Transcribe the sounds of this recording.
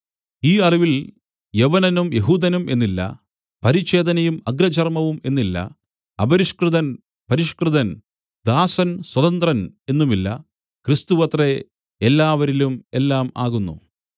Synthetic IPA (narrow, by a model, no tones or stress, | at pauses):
iːɐriʋil | jeʋɐnɐnumje̞ɦuːd̪ɐnumʔe̞nːilːɐ̰ | pɐɾiɕe̞ːd̪ɐnɐjumɐɡɾɐt͡ɕɐrmɐʋume̞nːilːɐ̰ | ɐbɐɾiʂkrɨðɐn | pɐɾiʂkrɨðɐn | d̪̥aːsɐnswɐðɐnt̪rɐne̞nːumilːɐ̰ | krist̪uʋɐt̪re | elːaːʋɐɾilume̞lːaːma̰ːɣunːṵ